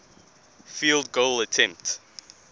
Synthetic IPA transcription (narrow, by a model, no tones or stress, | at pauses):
filˠd̚ɡoʊlətʰɛ̃mp̚t